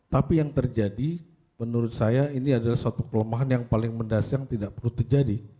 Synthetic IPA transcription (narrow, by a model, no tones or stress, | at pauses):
t̪apijaŋt̪ərd͡ʒadi | mənuɾʊt̪̚sajainiadalahsat̪ukələmaɦanjaŋpalɪŋməndasjaŋt̪idaʔpərluht̪ərd͡ʒadi